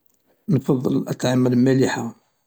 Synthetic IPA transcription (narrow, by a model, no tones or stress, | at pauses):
nfɑðˤːəlʔət̪ːʕamːæləlmæliħa